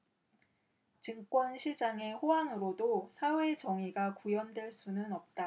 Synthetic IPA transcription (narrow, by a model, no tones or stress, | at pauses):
t͡ɕɯŋk͈wʌnɕʰid͡ʑaŋe̞ɸoaŋɯɾodosʰawe̞t͡ɕʌŋiɡakujʌndweɭs͈unɯnʌp̚t͈a